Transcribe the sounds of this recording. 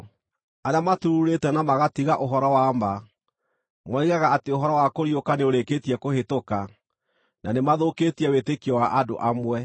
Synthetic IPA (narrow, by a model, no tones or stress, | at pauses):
aɾeamatuɾuuɾetɛnamaɣatiɣaʔoɦɔɾɔwamba | mwɔiɣaɣaateoɦɔɾɔwakoɾiokaneoɾeketiɛkohetoka | nanemaðokeːtiɛwetekiɔwaʔado̰ʔamwɛ